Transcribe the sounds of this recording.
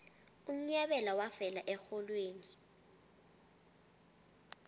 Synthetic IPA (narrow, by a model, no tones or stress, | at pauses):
um̩ɲaɓɛlawafɛlaʔɛxɔlweːni